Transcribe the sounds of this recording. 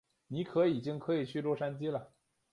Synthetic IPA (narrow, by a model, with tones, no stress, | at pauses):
ni˧˥kʰɤ˧˥i˨˩t͡ɕi˥ŋkʰɤ˧˥i˨˩t͡ɕʰy˥˧lwɔ˥˧ʂa˥nt͡ɕi˥lə˨